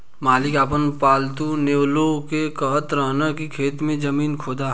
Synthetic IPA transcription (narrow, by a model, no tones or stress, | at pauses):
maːlɪkaːp̬ənpaːlt̪uneːwlokekəɦət̪ɾaːnakikʰeːt̪mẽd͡ʒɐmiːnkʰoːd̪a